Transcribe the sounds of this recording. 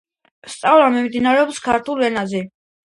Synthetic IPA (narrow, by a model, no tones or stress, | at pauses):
st̪sʼavɾamimd̪inaɾɛɔpskʰaɾt̪ʰulˠɛnazɛ